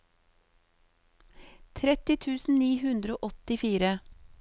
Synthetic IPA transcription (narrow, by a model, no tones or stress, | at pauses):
t̪ʰɾɛt̪ɪt̪ʰʉːsn̩niːhʉnd̪ɾəoːʔɔt̪ɪfiːɾə